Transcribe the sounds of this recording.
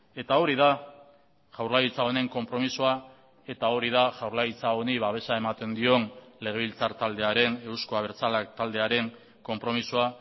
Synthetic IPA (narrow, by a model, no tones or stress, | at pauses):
e̞t̪ao̞ɾiða | ʝawɾlajit͡sao̞ne̞ŋko̞mpɾo̞misoa | e̞t̪ao̞ɾiðaʝawɾlajit͡sao̞niβaβe̞sae̞mat̪e̞nd̪io̞nle̞ɣe̞β̞ilt͡saɾt̪ald̪e̞aɾe̞ne̞wskoaβe̞ɾt͡salak̚t̪ald̪e̞aɾe̞ŋ | ko̞mpɾo̞misoa